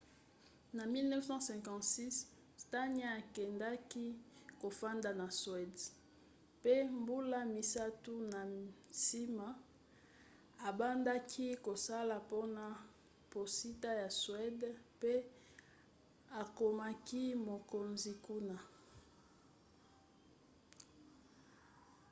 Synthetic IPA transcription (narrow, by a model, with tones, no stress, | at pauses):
na˨mi˦lnɛ˦fsɑ̃˦sɛ̃˨ŋkɑ̃˨tsi˦s | ta˦n˦a˦a˨kɛ˨nda˦ki˦ko˨fa˦nda˨na˨swɛ˨d | pe˦mbu˦la˦mi˨sa˦tu˦na˨si˦ma˨ | a˨ba˦nda˦kʰi˦ko˨sa˦la˨po˦na˨ | po˨si˦ta˦ja˨swɛ˦dpe˦ | a˨ko˨ma˦ki˦mo˨ko˨nzi˨ku˦na˨